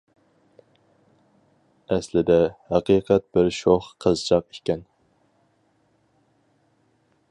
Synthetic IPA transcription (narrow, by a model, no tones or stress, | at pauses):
ɛslɪd̪ɛhæqiːqʰɛt̪̚bɪɾʃoχqʰəzt͡ʃʰɑqikʲɛn